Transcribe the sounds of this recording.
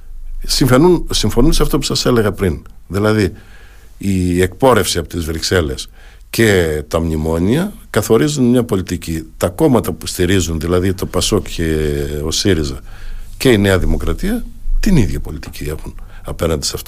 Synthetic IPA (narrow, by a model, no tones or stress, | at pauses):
siɱfe̞nunsiɱfo̞nunseɐft̪o̞pusɐse̞le̞ɣɐpɾinðilɐði | iek̚po̞ɾe̞fsiɐpo̞̥t̪izvɾikse̞le̞s | ce̞t̪ɐmɲimo̞ɲiɐkɐθo̞ɾizunmɲɐpo̞lit̪icit̪ɐko̞mɐt̪ɐpu̥st̪iɾizunðilɐðit̪o̞pɐso̞kceo̞siɾizɐce̞ine̞ɐðimo̞kɾɐt̪iɐt̪iniðʝɐpo̞lit̪icie̞xun | ɐpe̞nɐnd̪isɐft̪o